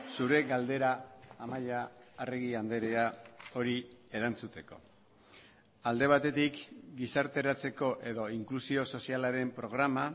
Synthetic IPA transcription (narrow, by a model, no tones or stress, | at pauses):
suɾe̞ɣald̪e̞ɾaːmaʎaːreɣiand̪e̞ɾeao̞ɾie̞ɾant͡sut̪e̞ko̞ | ald̪e̞β̞at̪e̞t̪ikɡisaɾt̪e̞ɾat͡se̞ko̞ʔe̞ðo̞iŋklusio̞so̞sialaɾe̞mpɾo̞ɣ̞ɾama